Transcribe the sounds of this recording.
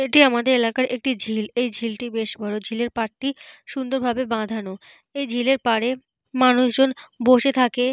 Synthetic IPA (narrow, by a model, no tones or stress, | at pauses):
eʈiamad̪eɾelakaɾek̚ʈid͡ʑʱilejd͡ʑʱilʈibeʃbɔɾod͡ʑʱileɾpaʈ̚ʈiʃund̪oɾbʱabebãd̪ʱano | ejd͡ʑʱileɾpaɾe | manuʃd͡ʑonboʃet̪ʰake